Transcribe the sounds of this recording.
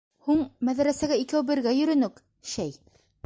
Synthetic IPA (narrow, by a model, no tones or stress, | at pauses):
huɴmæðæɾæsæɡæikæwbɘ̆ɾɡæjɵ̆ɾɵ̆nɵk | ʃæj